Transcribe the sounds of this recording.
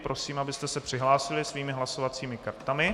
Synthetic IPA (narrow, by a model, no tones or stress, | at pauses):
pɾʔo̞siːmabɪst̪ɛsɛpr̝̥ɪɦlaːsɪlɪsviːmɪɦlaso̞vat͡siːmɪkaɾt̪amɪ